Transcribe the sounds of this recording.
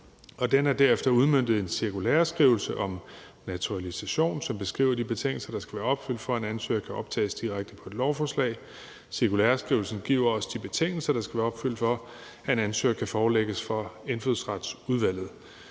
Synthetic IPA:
ɒ̽d̥enæɐd̥æɐefd̥ɐuð̞ˠmønd̥ð̞̩ˠe̝nsiɐkulæːɐsɡ̥ʁiːʊl̩səʔɒ̽m | næt͡sʰuʁælisæɕo̝̰ːnsɒ̽mb̥e̝sɡ̥ʁḭːʊɐd̥ib̥e̝t͡sʰeŋ̰l̩sɐd̥ɑ̈sɡ̥æʋæːɐɒ̽b̥fyl̰d̥fɒ̽æe̝nænsø̰ːɐkʰæʔɒ̽b̥̚t͡sʰɛ̰ːɪsd̥iʁaɡ̥̚d̥əpʰɒ̽e̝d̥lɒʊfɒːslɛ̰ɪ | siɐkʰulæːɐsɡ̥ʁiʊl̩sn̩ɡ̥ḭʊ̰ɐɒ̽sd̥ib̥e̝t͡sʰe̝ŋ̰l̩sɐɾ̥ɑ̈sɡ̥æʋæːɐɒb̥fyl̰d̥fɒ̽ | æe̝nænsø̰ːɐkʰæfɒːleɡ̥əsfʁɑ̈e̝nføðˠsʁɑd̥suðˠʋæl̰ð̩ˠ

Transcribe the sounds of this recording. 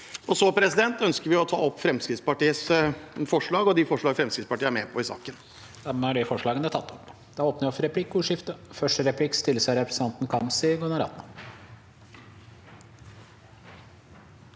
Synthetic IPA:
ɔsɔpʰɾɛsɪd̪ɛnt̪œnskəɾʋɪɔt̪ʰɑ̰ːɔpːfɾɛmskɾɪt̪spɑʈiːəsfɔʂɭɑːɡɔd̪ɪfɔʂɭɑːɡfɾɛmskɾɪt̪spɑʈiːəæmeːpʰɔɪsɑ̰ːkən | d̪̥ɛmæɖɛfɔʂɭɑːɡənət̪ʰɑt̪ːɔpː | d̪̥ɑoːpnəɾɔfɾɛpʰlɪkːʊːʂɪft̪əfœʂʈəɾɛpʰlɪkːst̪ɪlːəsɑɾɛpɾəsnɑnt̪n̩kʰɑmsɪɡʊnɑɾɑ̰t̪nə

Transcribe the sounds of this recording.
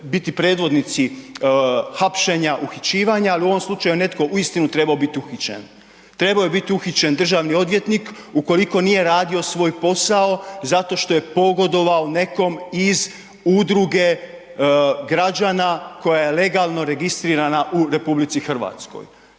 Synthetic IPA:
bit̪ipɾe̞ːd̪ʋo̞d̪nit̪si | xapʃe̞ɲaʔuxit͡ɕiːʋaɲaaliuo̞ʋo̞mslˠut͡ʃajune̞t̪ko̞ʔuist̪inut̪ɾe̞baobit̪iuxit͡ɕḛn | t̪ɾe̞baojebit̪iuxit͡ɕe̞nd̪r̩ʒaːʋnio̞d̪ʋje̞t̪nikuko̞liko̞nije̞ɾaːd̪io̞sʋo̞ːjpo̞sao̞zat̪o̞ʃt̪o̞je̞po̞ɡo̞d̪o̞ʋaone̞ko̞miz | ud̪ɾuɡe̞ | ɡɾad͡ʑaːnako̞jaje̞le̞ɡalˠno̞ɾe̞ɡist̪ɾiːɾanaʔuɾe̞publit̪sixr̩ʋa̰t̪sko̰j

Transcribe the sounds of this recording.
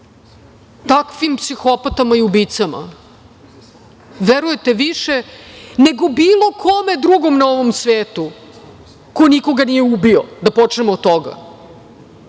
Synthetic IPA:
t̪akʋimpsixo̞pat̪amaiubit̪sama̰ | ʋeɾujet̪e̞ʋiʃene̞ɡo̞biːlˠo̞kʰome̞d̪ɾuɡo̞mnao̞ʋomsʋeːt̪u | kojniko̞ɡanije̞ubiod̪apot͡ʂnemot̪ːoɡa̰

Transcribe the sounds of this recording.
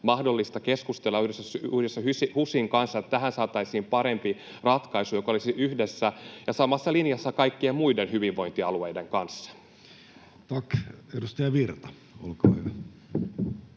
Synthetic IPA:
mɑhdo̞lːist̪ɑkeskust̪elːɑyhdesːæsyhdesːæhysihusiŋkɑnsːɑet̪ːt̪æɦænsɑːt̪ɑisiːmpɑɾe̞mpi | rɑt̪kɑisujo̞kolisiyhdesːæjɑsɑmːɑsːɑlinjɑsːɑkɑikːiemmuidenhyʋiʋʋːo̞int̪iɑlueide̞ŋkɑnsːɑ̥ | t̪ɑkedust̪ɑjɑʋirt̪ɑ̥ | o̰lkoɑ̰i

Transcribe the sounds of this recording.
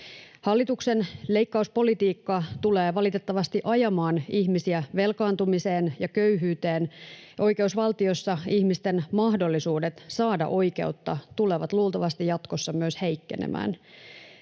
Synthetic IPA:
hɑlːit̪uksenle̞ikːɑuspo̞lit̪iːkːɑt̪uleːʋɑlit̪et̪ːɑʋɑst̪iʔɑjɑmɑːniçmisiæʋe̞lkɑːnt̪umise̞ːnjɑkøyɦyːt̪eːnʔo̞jke̞usʋɑlt̪io̞sːɑiçmist̪enmɑhdo̞lːisuːdet̪sɑːdɑ̰ʔo̞ike̞̰ut̪ːɑt̪uleʋɑt̪luːlt̪ɑʋɑst̪ijɑt̪ko̞sːɑmyøsheikːḛnḛmʔæ̰ːn

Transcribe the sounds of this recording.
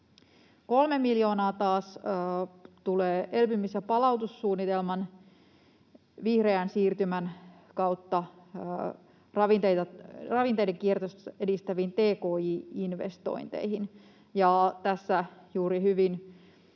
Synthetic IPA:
ko̞lmemiljo̞ːnɑːt̪ɑːs | t̪uleːʔelpymːisjɑpɑlɑut̪usːuːnːit̪elmɑn | ʋihre̞ænsiːrt̪ymæn | kɑwt̪ːɑ | rɑʋint̪ejt̪ɑrɑʋint̪ejdeŋkiert̪osedist̪æʋiːnt̪eːkoːiːinʋḛst̪o̰int̪ḛjhin | jɑt̪æsːæjuːɾihyʋin

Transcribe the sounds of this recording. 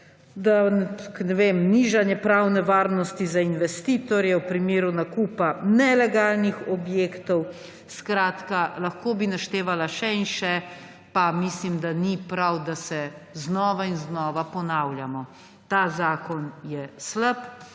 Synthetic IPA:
d̪aknɛʋemniʒanjɛpɾawnɛʋaːɾnɔst̪izainʋɛst̪iːt̪ɔɾjɛwpɾimeːɾunakuːpanɛlɛɡaːlnixɔbjeːkt̪ɔw | skɾaːt̪kalaxkoːbinaʃt̪eːʋalaʃɛinʃɛ | pamislimd̪anipɾawd̪asɛznɔːʋainznɔːʋapɔnawljamɔ | t̪aːzaːkɔnjɛsləp

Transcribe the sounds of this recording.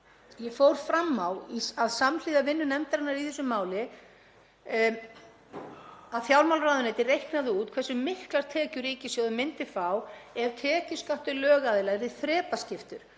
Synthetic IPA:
jɛfowɾ̥fɾamːawiaðsaml̥iːðavɪnːʏnɛmt̪aɾɪnaɾiθɛsːʏmːaːwlɪ | aðθjawlmawlraːðʏnɛjt̪ɪrejhknaðʏuːt̪̚kʰvɛsʏmɪhklaɾ̥t̪ʰɛːcʏɾiːcɪsjɔðʏmɪnt̪ɪfawɛɾ̥t̪ʰɛːcʏskaht̪ʏlœːɣaðɪlaɣɾɪðθɾɛːpascɪft̪ʏɾ̥

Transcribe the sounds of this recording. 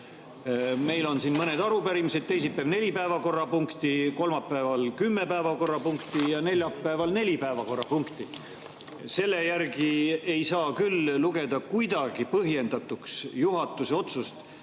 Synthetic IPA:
me̞jlo̞nsinmɤne̞d̪ɑɾupæɾimised̪̚t̪ːe̞js̬itpːævne̞lʲipæevɑko̞rːɑpuŋkt̪iko̞lmɑpːæːvɑlkymːe̞pæevɑko̞rːɑpuŋkt̪ijɑne̞lʲjɑpːæevɑlne̞lʲipæevɑko̞rɑpuŋkt̪i | se̞lːe̞jærɡie̞jsɑːkylːuɡ̥e̞d̪ɑkujd̪̥ɑɡ̥ipɤɦje̞nd̪̥ɑt̪ˑuksjuɦɑt̪ːˑuseo̞t̪sust̪

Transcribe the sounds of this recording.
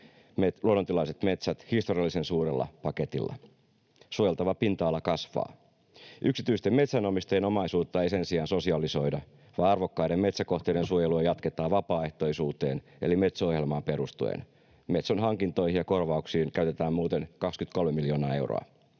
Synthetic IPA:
metluonːot̪ilɑiset̪me̞t̪sæt̪hist̪oriɑlːisensuːrelːɑ̰pɑke̞t̪ḭlːɑ̰ | suojelt̪ɑʋɑpint̪ɑːlːɑkɑsʋɑ̰ː | ʔyksit̪yist̪eme̞t̪sænomist̪ɑjenomɑisuːt̪ːɑejse̞nsiɑːnso̞siɑliso̞idɑ | ʋɑːɑrʋokːɑjdemme̞t̪sæko̞ht̪eidensuojeluɑjɑt̪ket̪ɑːʋɑpɑːe̞ht̪o̞isuːt̪e̞̰ːn | e̞̰lime̞t̪sohjelmɑːmpe̞ɾust̪uḛn | met̪sonɦɑŋkint̪o̞jhiɑko̞rʋɑuksiːŋkæyt̪e̞t̪æːmmuːt̪enkɑkskyt̪ko̞lmemiljo̞ːnɑːe̞wro̰ɑ̰

